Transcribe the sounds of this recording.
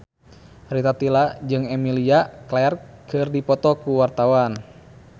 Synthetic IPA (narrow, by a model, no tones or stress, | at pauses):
rit̪at̪ilad͡ʒɨŋɛmiliaklɛɛrkɨrdipɔt̪ɔkuwart̪awan